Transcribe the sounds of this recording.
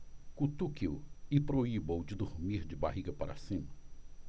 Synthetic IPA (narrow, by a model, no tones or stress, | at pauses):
kut̪ukiwɪpɾoibowd͡ʒɪd̪uɾmiɾd͡ʒɪba̰ɦiɡɐpaɾa̰sĩmɐ